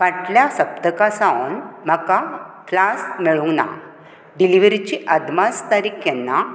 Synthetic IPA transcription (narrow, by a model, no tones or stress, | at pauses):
ʋaʈljasəb̚d̪əkasaʋnm̤əkaklasmiɭuŋɡna̰ | ɖiliʋɾit͡ɕiʔəd̪mast̪aɾikjenːa